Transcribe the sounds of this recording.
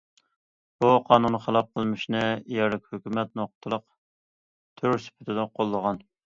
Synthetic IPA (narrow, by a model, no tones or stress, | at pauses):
buqʰɑːnunχəlˠɑp̚qʰəlˠmɪʃnɨjɛɾlɪkʲhøkʲymɛt̪̚noqt̪ʰɨlˠəq | t̪ʰyɾsɪ̥pʰɪt̪ʰɪd̪ɪqʰolˠːəʁɑn